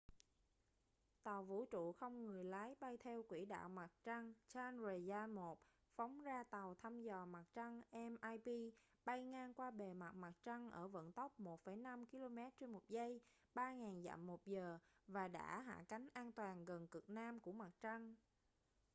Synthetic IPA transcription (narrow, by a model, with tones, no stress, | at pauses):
t̪a˨˩wvṵ˧˥t͡ɕṵ˧˨xə˧wŋ͡mŋɨ˨˩əjlaː˨˦jɓa˧jt̪ʰɛ˧wkwi˧˩ɗa̰ː˧˨wma˨˩t̚t͡ɕa˧ŋt͡ɕaː˧nzə˨˩zaː˧mo˨˩t̚ | fa˨˦wŋ͡mzaː˧t̪a˨˩wt̪ʰa˧mzɔ˨˩ma˨˩t̚t͡ɕə˧ŋʔɛ˧mʔaː˧jpi˧ | ɓa˧jŋaː˧ŋkwaː˧ɓe˨˩ma˨˩t̚ma˨˩t̚t͡ɕə˧ŋʔəː˧˩və̰˧˨nt̪ə˦˥wk͡p̚mo˨˩t̚fə˧˩jna˧mki˧lo˧mɛ˦˥t̚t͡ɕe˧nmo˨˩t̚zə˧j | ɓaː˧ŋaː˨˩nza̰ː˧˨mːo˨˩t̚zəː˨˩vaː˨˩ɗa̰ː˧˥ɦa̰ː˧˨ka˨˦jŋ̟ʔaː˧nt̪waː˨˩nɣə˨˩nkɨ˨˩k̚naː˧mku˧˩əma˨˩t̚t͡ɕa˧ŋ